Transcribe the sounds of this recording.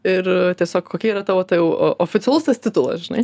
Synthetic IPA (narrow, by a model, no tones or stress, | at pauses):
ɪɾt̪ʲiɛsʲoːkkoːkʲiːiːɾɐt̪ɑːʋoːt̪ɐjɛʊ̰ʔoːfʲɪt͡s̪sʲɛlˠʊst̪ɐst̪ʲɪt̪ʊlˠɐ̰ʒʲɪnɐ̰ɪ